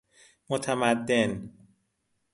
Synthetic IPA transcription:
mot̪ʰæmæd̪ːen

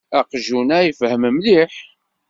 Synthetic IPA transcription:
æqʒunæjifhəməmliħ

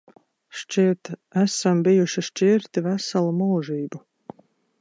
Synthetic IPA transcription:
ʃt͡ʃiɛt̪æsambijuʃiʃt͡ʃiɾt̪ivæsalˠumulˠʒiːbu

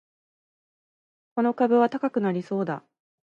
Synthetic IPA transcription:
ko̞no̞kabɯβ̞at̪akakɯ̟naɾʲiso̞ːd̪a̰

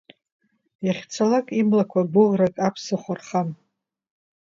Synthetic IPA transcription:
jaχʲt͡sʰalakʼimlakʷʰabʊlrakʼapʰsɨχʷarχam

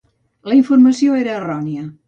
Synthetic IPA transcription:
ləiɱfuɾməsioeɾəːrɔniə

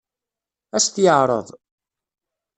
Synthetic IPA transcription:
æst̪jəʕɾˤə̰ðˤ

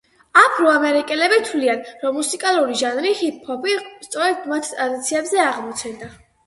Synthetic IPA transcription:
apʰɾɔamɛɾikʼɛlɛbit̪ʰlianɾɔmːusikʼalˠuɾiʒanɾihipʰhɔpʰist̪sʼɔɾɛd̪mat̪ʰt̪ʼɾad̪it̪sʰiɛbzɛaʁmɔt̪sʰɛnd̪a

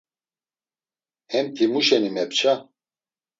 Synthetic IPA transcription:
hɛmt̪ʰimuʃɛnimɛpt͡ʃʰa

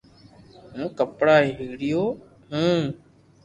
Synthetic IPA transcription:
ɦũːkəpɽaːɦeɦɪːɽɪjoː | ɦũː

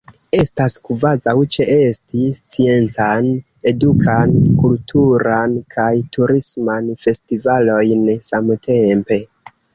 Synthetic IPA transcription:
e̞staskvazawt͡ʃe̞ʔestist͡sie̞nt͡san | e̞dukʰankultʰuɾankʰajtʰuɾismanfe̞stivalo̞jnsamtʰe̞mpe̞

